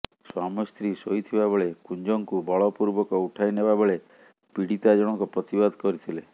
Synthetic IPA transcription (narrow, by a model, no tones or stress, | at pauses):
swamɔst̪ɾisojt̪ʰibabeɭekuɲd͡ʒɔŋkubʱɔɭɔpuɾbɔkɔuʈʰajnebabɔɭe | piɽit̪ad͡ʒɔɽ̃ɔŋkɔpɾɔt̪ibad̪ʱkɔɾit̪ʰile